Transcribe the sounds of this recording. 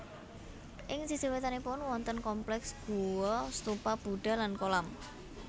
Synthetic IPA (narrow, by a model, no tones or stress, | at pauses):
ʔɪŋsisiwet̪anepʊnwɔnt̪ənkɔmplɛksb̥ṳwɔst̪upab̥ṳɖ̥a̤lankolam